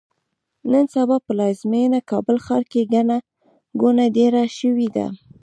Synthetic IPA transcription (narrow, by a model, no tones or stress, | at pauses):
nənsabɑpəlɑzmenakɑbəlxɑɾkeɡana | ɡunaɖeɾaʃəwid̪a̰